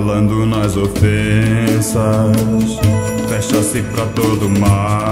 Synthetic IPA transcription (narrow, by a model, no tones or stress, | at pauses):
lɐ̃nd̪ʊnazofesɐs | fɛʃɐsipɾɐt̪od̪ʊma